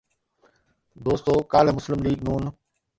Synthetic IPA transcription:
d̪oːst̪oːkaːlmʊslɪmliːɡnuːn

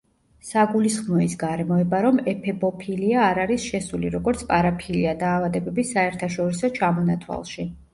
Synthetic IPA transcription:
saɡulisχmɔisɡaɾɛmɔɛbaɾɔmɛpʰɛbɔpʰiliaːɾaɾisʃɛsulḭɾɔɡɔɾt̪sʰpʼaɾapʰiliad̪aːvad̪ɛbɛbisaɛɾt̪ʰaʃɔɾisɔt͡ʃʰamɔnat̪ʰwa̰lˠʃi

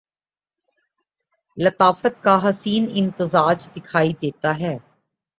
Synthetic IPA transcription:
lət̪aːfət̪̚kaɦɐsiːnɪ̃nt̪ɪzaːd͡ʒd̪ɪkʰaːid̪eːt̪aɦɛː

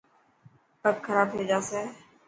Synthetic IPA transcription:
pəkkʰːəɾaːbɦeːd͡ʒaːseː

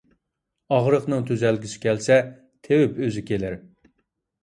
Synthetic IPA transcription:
ɑʁɾəqnɨŋt̪ʰyzɛlɡʲiʃɪ̥kʲɛlsɛ | t̪ʰewɪpøzɪkʲelɪɾ

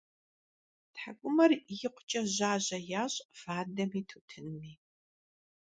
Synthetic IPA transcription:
tħakʷʼʊmɐrjɪqʷʊ̥t͡ʃʼɐʑaːʑɐjaːɕʼfaːdɐmiːtʰuːtʰɨnmiː

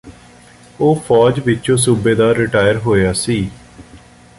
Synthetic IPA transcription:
oːpʰɔːd͡ʒʋɪt͡ʃõːs̬uːbeːd̪aːɾɪʈaːjəɾɦoːjaːsiː

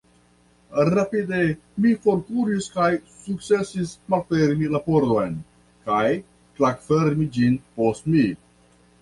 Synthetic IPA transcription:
ɾapide | mikoɾkuɾiskajsuk̚t͡se̞sismalfeɾmilapoɾd̪o̞jn | kaj | tlakfeɾmid͡ʒinpo̞stmi

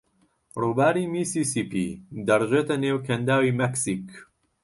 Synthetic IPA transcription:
ruːbaːɾiːmiːsisipḭd̪ɐɾʒeːt̪ɐneːwkʰɐnd̪aːwiːmɛksik

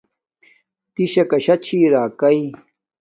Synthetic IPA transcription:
t̪iɕɐkɐɕɐt͡ɕʰiɾaːkɐi

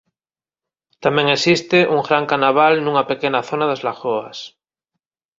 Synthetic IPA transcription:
t̪amẽŋesist̪eʔuŋɡɾaŋkanaβ̞alnũŋapekenaθonaðazlaxoas

